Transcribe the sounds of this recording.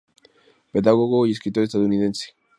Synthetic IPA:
pet̪aɣoɣois̬kɾit̪oest̪at̪uniðent͡si̥

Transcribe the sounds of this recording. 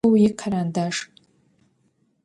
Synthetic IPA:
wjiqʰaɾandaʂ

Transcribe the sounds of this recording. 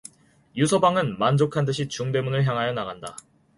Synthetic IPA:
jusʰʌbaŋɯnmand͡ʑokʰant̬ɯɕʰit͡ɕuŋde̞munɯɭçjaŋɦajʌnaɣanda̰

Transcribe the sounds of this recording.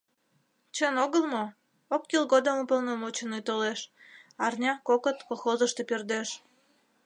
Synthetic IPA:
t͡ɕənoɣəlmo | okːilɣod̪omupəlnomot͡ɕənujt̪oleʃ | ɑrnʲɑkokət̪koxozəʃt̪epørd̪eʃ

